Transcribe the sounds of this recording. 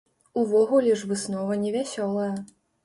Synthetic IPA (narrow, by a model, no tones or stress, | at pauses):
uvɔɣulʲɛʐvɨsnɔvɐnʲɛvʲasʲɔlˠɐjɐ